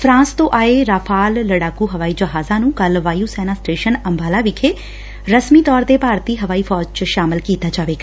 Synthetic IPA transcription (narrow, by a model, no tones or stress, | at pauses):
fʰɾãːnst̪õːʔaːeːɾaːpʰaːlːəɽaːkuːɦəʋaːiːd͡ʒəɦaːzãːnũːkəlʋaːjuːsɛːnaːsʈeːʃənəmbaːlaːʋɪkʰeː | ɾəsmiːt̪ɔːɾd̪eːpaːɾt̪iːɦəʋaːiːpʰɔːd͡ʒt͡ʃʃaːmɪlkiːt̪aːd͡ʒaːʋeːɡaː